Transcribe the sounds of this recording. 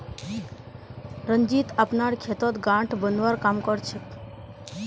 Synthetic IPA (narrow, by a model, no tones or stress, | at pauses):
ɾənd͡ʒit̪apnaɾkʰet̪ɔt̪ɡãʈʰbənʋaɾkamkɔɾt͡ʃʰət̪